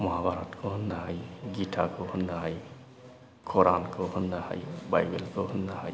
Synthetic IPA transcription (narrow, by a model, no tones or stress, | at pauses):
mɔɦabʱaɾɔtkʰɔɦɔnːaɦajɡitʰakʰɔhunːaɦaj | kʰɔɾankʰɔhɔnːaha̰jba̰jbelkɔhunːaha̰j